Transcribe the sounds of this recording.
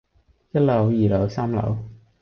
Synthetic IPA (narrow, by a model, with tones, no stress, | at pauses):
jɐ˥t̚lɐ˨˩˥wjiː˨˩lɐ˨˩˥wsaː˥mlɐ̰˨˥w